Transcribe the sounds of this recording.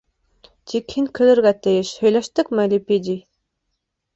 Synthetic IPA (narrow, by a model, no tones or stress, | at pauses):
t̪ʰikhinkʰɵ̆lɘ̆ɾɡæt̪ɘjɘʃhɵ̆jlæʃt̪ɘkmælʲipid̪i